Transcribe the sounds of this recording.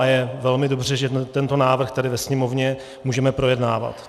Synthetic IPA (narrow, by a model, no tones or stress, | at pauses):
jɛvɛlmɪdo̞br̝ɛʒɛt̪ɛnt̪onaːvr̩xt̪adɪvɛsɲɛmo̞vɲɛ | muːʒɛmɛpɾo̞jɛdnaːva̰t̪